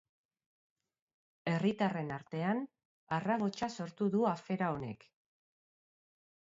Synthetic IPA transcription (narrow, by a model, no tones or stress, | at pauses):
e̞rit̪are̞naɾt̪e̞an | araɣ̞o̞t͡ʃaso̞ɾt̪uðuafe̞ɾao̞ne̞k